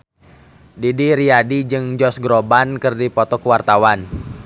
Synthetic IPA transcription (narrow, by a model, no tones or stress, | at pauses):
didiɾiadid͡ʒɨŋd͡ʒɔsɡɾɔbankɨrdipɔt̪ɔkuwart̪awan